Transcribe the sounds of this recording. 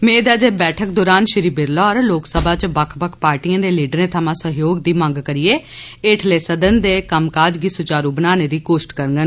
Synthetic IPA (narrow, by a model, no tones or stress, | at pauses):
mẽːd̪ɛːd͡ʒeːbɛːʈʰək̚d̪oːɾaːnʃɪɾiːbɪɾlɔːɾloːksəbaːt͡ʃbəkʰbəkʰpaːɾʈiːãːd̪eːliːɖəɾẽːt̪ʰəmãːsəɦjoːɡd̪iːmə̃ŋɡkəɾɪjeː | eːʈʰleːsəd̪ənd̪eːkəmkaːd͡ʒɡiːsʊt͡ʃaːɾuːbənaːneːd̪iːkoːʃʈkəɾəŋɡən